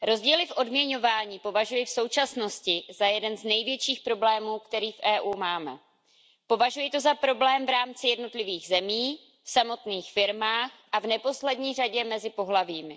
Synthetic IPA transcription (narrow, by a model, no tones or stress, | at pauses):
ɾo̞zɟiːlɪfʔo̞dmɲɛɲo̞vaːɲiːpo̞vaʒujɪfso̞wt͡ʃasno̞scɪzajɛdɛnznɛjvjɛt͡ʃiːxpɾo̞blɛːmuːkt̪ɛɾiːfʔɛːʔuːmaːmɛ | po̞vaʒujɪt̪o̞zapɾo̞blɛːmvɾaːmt͡sɪjɛdno̞t̪lɪviːɣzɛmiː | fsamo̞t̪niːxfɪɾmaːxʔavnɛpo̞slɛdɲiːraɟɛmɛzɪpo̞ɦlaviːmɪ